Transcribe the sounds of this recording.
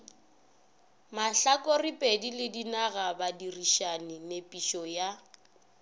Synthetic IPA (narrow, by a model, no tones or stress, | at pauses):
maɬakʼoripʼedilɪdinaɣabadiriʃanɪnepʼiʃɔja